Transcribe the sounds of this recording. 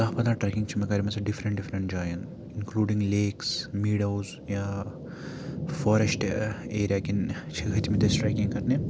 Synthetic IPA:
kaɦpɐd̪aːʈɾɐkiŋt͡ʃʰimɐkaːɾimɐsɐɖifɾɐ̃ɳʈɖifɾɐɳʈd͡ʒaːjɐnt̪ | inkluːɖiŋɡleːksmiːɖɐwz | jaː | foːɾesʈeːɾjakint͡ʃʰiɡʱɐt̪imid̪esʈɾajkĩŋɡkɐɾne

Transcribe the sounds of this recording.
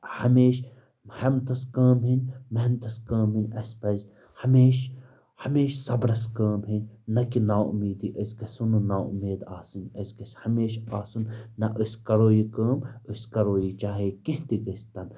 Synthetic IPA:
hɐmeːʃ | hɐmt̪ɐskaːmɦinʲmɐɦnt̪ɐskɐːmɦinʲɐspɐz | hɐmeːʃ | hɐmeːʃsɐbɾɐskɐːmɦinʲnɐkinaːṵmiːd̪iːʔɐskɐsununaːʊmeːd̪aːsɨnɐzkɐshɐmeːʃaːsunnɐʔəsʲkɐɾoːjiːkɐːməskɐɾoːjiːt͡ʃaːɦeːkiɦt̪iɡɐst̪ɐn

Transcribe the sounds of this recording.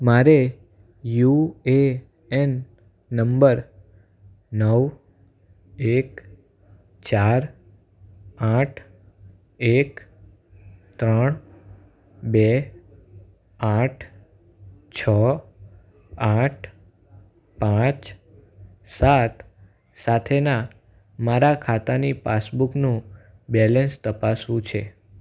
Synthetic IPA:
maɾe | jue | ɛnː | əmbəɾ | nəʋ | ek | t͡ʃaɾ | ãʈʰ | ek | t̪ɾəɳ | bɛ | aʈʰ | t͡ʃʰɔ | aʈʰ | pãt͡ʃ | sat̪ | sat̪ʰena | maɾakʰat̪anipasbuknũ | bɛlɛnst̪əpasʋũt͡ʃʰe

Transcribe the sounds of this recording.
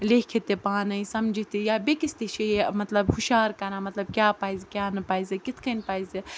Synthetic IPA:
leːkʰet̪epaːnɐisɐmd͡ʒʱit̪ijabekist̪eʃejemɐt̪lɐbhuʃaːɾkɐɾãːmɐt̪lɐb̚kʲjaːpaːizkʲjaːnɨpaːizʲɐkɪt̪ʰkɐnpaːizi

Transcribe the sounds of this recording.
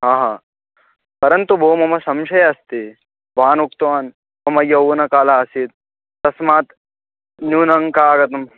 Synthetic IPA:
ɦãːɦaː | pɐɾɐnt̪ubʱoːmɐmɐsɐmʃɐjɐɐst̪e | bʱaːnukt̪ʋaːn | mɐmɐjɐwnɐkaːlaɐsit̪̚ː | ɐsmaːt̪ | njuːnɐŋkaːɡɐt̪ɐm

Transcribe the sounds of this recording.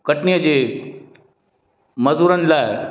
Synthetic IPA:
kəʈnijəd͡ʑe | mɐzuɾənlae

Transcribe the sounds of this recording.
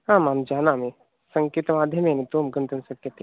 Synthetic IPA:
ɦãːmaːmd͡ʒaːnami | sɐ̃ŋkiːt̪maːd̪ʱjəmenit̪omɡə̃nd̪ənsəkːət̪iː

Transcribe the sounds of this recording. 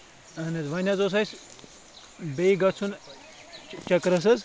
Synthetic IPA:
ɐnɐzʋɐnʲat͡soːs̬ɐs | beiɡɐt͡sʰun | t͡ʃɐkɾɐs̬ɐz

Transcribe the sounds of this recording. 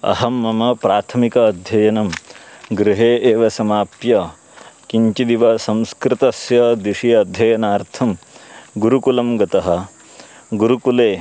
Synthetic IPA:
ɐ̰ɦɐmːɐmɐpɾaːt̪ʰɐmikɐːd̪ʱjɐjɐnɐmɡɾɪɦeːʔeːʋɐsɐmaːpjɐ | kiɲt͡ʃid̪iʋɐsɐ̃wskɾɪt̪ɐsjɐd̪iʂijɐːd̪ʱjɐjɐnaːɾt̪ʰɐmɡuɾukulɐmɡɐt̪ɐɦɐ̆ | ɡuɾukuleː

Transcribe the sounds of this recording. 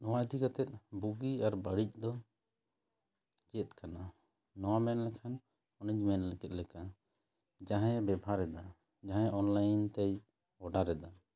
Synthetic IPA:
nɔwad̪ikat̪ɛt̪̚ˀbuɡiaɾbəɽic̚d̪ɔ | d͡ʒɛt̪̚kana | nɔwamɛnlɛkʰan | ɔnit͡ʃmɛnlɛkɛt̪̚lɛka | d͡ʒaɦɛ̃bɛbʱaɾɛd̪a | d͡ʒaɦɛ̃ʔɔnlajnt̪ɛj | ɔɖaɾɛd̪a

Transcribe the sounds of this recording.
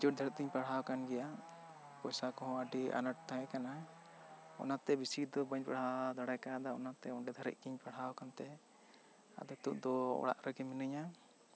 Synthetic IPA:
d͡ʒuʈ̚d̪ʱəɾəʔ̚k̪iɲpaɽ̤ɦawkanɡɛja | pɔjsakɔɦɔ̃əɖiʔa̰nəʈ̚t̪ãɛkana | ɔ̰nat̪ɛbisid̪ɔbəɲpaɽ̤ad̪ɔɽajkad̪aɔ̰nat̪ɛɔɳɖɛd̪ʱəɾə̰ʔ̚k̪iɲpaɽ̤awkant̪ɛ | a̰d̪ɛt̪uʔd̪ɔɔ̰ɽa̰ʔɾəɡiminɨɲa

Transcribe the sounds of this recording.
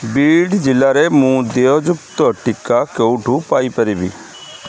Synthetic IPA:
biːɖd͡ʒɪlːaːɾemũːd̪eːod͡ʒʊkt̪oːʈɪkːakeuʈʰuːpaːipəɾiːbiː

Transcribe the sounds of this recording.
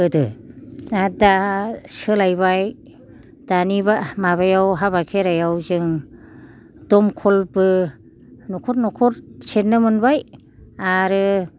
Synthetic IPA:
ɯdɯ | adasɯlajβaj | d̥anibamaβajawɦaβakʰeɾajawzɯŋ | dɔmkʰɔlbɯ | nɔkʰɔɾnɔkʰɔɾset̚nːɯmɯnbaj | aɾɯ

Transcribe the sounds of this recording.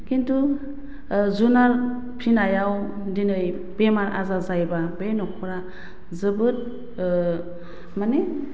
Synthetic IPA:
kintu | zunal | pʰɾinajaw | dinɯj | b̥emaɾʔa̰zazajbabenɔkʰɔɾa | zɯbɯt̚ | mane

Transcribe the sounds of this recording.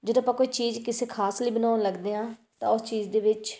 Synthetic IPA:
d͡ʒɪd̪õːpãːkoːiːt͡ʃiːzkɪseːkʰaːsliːbənaːnləɡd̪eːɦãː | t̪ã̰ːʊst͡ʃiːd͡ʒd̪eːʋɪt͡ʃ

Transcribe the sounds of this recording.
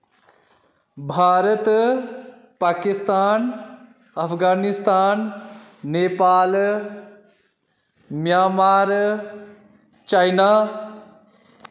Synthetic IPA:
bʱaːɾət̪ | paːkist̪aːn | ɐpʰɡaːnist̪aːnː | eːpaːl | mjaːmaːɾ | t͡ʃaːjnaː

